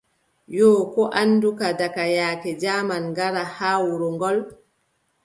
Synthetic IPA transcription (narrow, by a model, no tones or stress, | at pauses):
jɔːkɔʔanːdukadakajaːkɛd͡ʒaːmanɡaɾahaːwuɾɔŋɡɔl